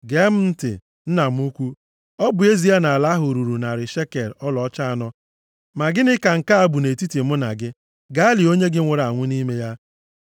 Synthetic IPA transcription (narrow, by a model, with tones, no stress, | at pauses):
ɡe˦m̩˦n̩˦tɪ̰˨ | n̩˦na˨m̩˦u˦kʷu˦ | ɔ˦bʊ˨e˦zi˨˦a˦na˨la˦ɦʊ˨ɾu˨ɾu˨na˨ɾɪ˨ʃe˦ke˨ɾɔ˦lɔ˨ɔ˦t͡ʃa˦a˨nɔ˦ | ma˨ɡɪ˦nɪ˦ka˨ŋ̩˨ka˦a˦bu˨ne˨ti˦ti˨mʊ˦na̰˨ɡɪ˦ | ɡa˦a˦li˨o˦ɲe˦ɡɪ˦ŋʷʊ˨ɾa˨ŋʷʊ˦ni˦me˦ja˦